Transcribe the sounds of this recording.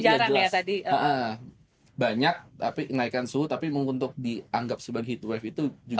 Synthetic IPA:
d͡ʒaɾaŋjat̪adiəʔə | baɲak̚t̪apinaikansut̪apiməŋkunt̪ʊk̚diaŋɡap̚səbaɡait̪uwɛfit̪ud͡ʒu

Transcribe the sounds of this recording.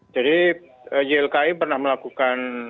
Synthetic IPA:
d͡ʒadi | əjɛlkaipərnahməlakukan

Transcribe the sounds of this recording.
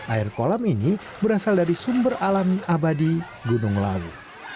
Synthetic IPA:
ʔairkolamini | bəɾasaldaɾisumbəralamiʔabadi | ɡunʊŋla̰lṵ

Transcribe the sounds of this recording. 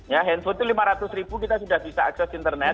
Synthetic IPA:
jaɦɛnfʊlt̪ulimaɾat̪ʊsɾibukit̪asudahbisaːksɛsint̪ərnɛt̪̚

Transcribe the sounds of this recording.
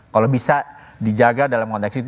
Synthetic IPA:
kalobisa | did͡ʒaɡadalamkɔnt̪ɛksit̪

